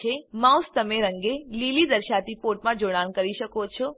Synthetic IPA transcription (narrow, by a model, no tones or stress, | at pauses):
emãũst̪əmẽɾə̃ŋɡelilid̪əɾʃat̪ipoʈ̚mãd͡ʒoɽ̃ankəɾiʃəkot͡ʃʰo